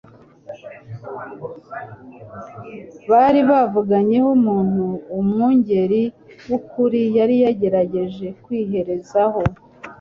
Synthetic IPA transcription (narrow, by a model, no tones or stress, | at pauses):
βaɾiβavuɡaɲe̞humuːn̥huːmŋuɲɟe̞ɾi | wukuɾijaɾijaɟe̞ɾaɟe̞ʒe̞kwiːɦe̞ɾe̞zaho̞